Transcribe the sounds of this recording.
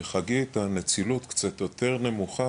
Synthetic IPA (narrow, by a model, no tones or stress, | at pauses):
χaɡietanet͡silut̪kt͡sat̪jo̞te̞ʁne̞muχa